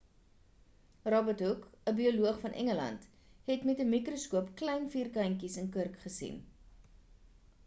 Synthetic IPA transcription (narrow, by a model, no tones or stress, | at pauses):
rɑbətɦukəbioluəχfɐnʔɛ̰ŋəlɐ̰nt | ɦɛtmɛtəmikroskuəpklɛjnfiːrkɐjŋkisənkərkχəsḭn